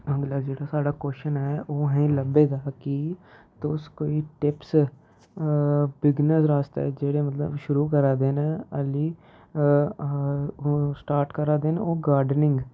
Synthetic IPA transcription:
əɡlad͡ʒeːɽaːsaːɖaːkoːʃənɛːoːɦɛ̃ːləbeːd̪aːkit̪ʊskoːiːʈɪps | bɪɡnəsɾaːst̪ḛːd͡ʒeːɽeːmət̪lə̰bʃʊɾuːkəɾaːd̪eːneəliː | sʈaːɾʈkəɾaːd̪eːnːoːɡaːɾɖənɪ̃ŋɡ

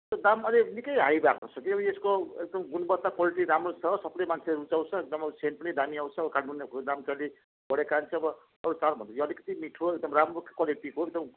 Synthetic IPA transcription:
t̪ʌd̪amʌlenikʌjɦajbaknot͡sʰʌkiʌbʌeskoek̚d̪ʌmɡunbʌt̪ːakwaliʈiɾamrosʰʌsʌpnʌjmant͡sʰeleɾut͡saw̃t͡sʰʌek̚d̪ʌmsenpʌnid̪amiaw̃t͡sʰʌbʌkaɽunekd̪amkali | bʌɽekant͡sʰʌʌbʌ | ʌɾut͡salbʱʌnt̪ʰʌjoʌlikʌt̪imiʈʰoek̚d̪ʌmramrokḁkwaleʈikoeɡ̚d̪ʌm

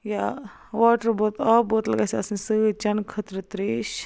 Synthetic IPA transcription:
ja | ʋaːʈəɾboːt̪aːboːt̪lɐɡaːsɐsnsɨt͡ʃɐnkʰət̪ɾət̪ɾeːʃ

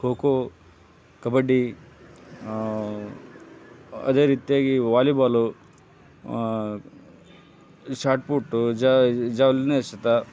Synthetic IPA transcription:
hoːko | kɐbɐɖi | ɐ̰d̪e̞ːɾiːt̪ijaːɡiʋaːlibaːlu | ʃaːɾʈ̚puʈːud͡ʒad͡ʒaːʋlineʃɐt̪ɐ

